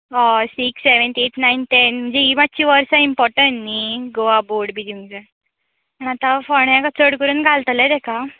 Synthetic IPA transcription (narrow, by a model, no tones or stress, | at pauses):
ɔsikseʋənt̪et̪ʰnainʈenm̤əɳd͡zeimad̪̚t͡ɕiʋəɾsãimpɔɾʈəɳːiɡoʋaboɽbʱid̪ũŋd͡zə | pəɳat̪ãfəɳakat͡səɽkəɾuːnɡʱalt̪lɛd̪ɛkʰa